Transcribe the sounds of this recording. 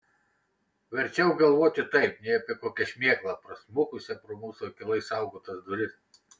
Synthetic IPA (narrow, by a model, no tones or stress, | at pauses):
ʋʲɐɾʲt͡ʃʲɛʊɡɐlˠʋoːt̪ʲɪt̪ɐɪpnʲɛɪɐpʲɪɛkoːkʲɛʃʲmʲeːklˠɐpɾɐsmʊkʊsʲɛpɾoːmuːsokʲɪlˠɐɪsɑˑʊɡoːt̪ɐsd̪ʊɾʲɪs